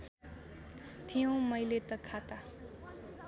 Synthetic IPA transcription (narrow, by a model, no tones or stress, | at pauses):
t̪ʰijõwmʌjlet̪ʌkʰat̪a